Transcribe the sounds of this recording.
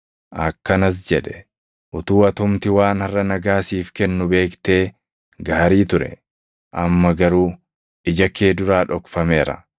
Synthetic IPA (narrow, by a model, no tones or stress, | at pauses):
ʔɐkːɐnɐs̬d͡ʒɛᶑɛ̥ | ʔʊt̪uːɐt̪ʊmt̪ɪwaːnɐrːɐnɐɡaːsiːfkɛnːʊbe̞ːkt̪e̞ː | ɡaːɾiːt̪ʊɾɛ̰ | ʔɐmːɐɡɐɾuː | ɪd͡ʒɐkːe̞ːd̪ʊɾaːᶑɔkfɐme̞ːɾɐ̰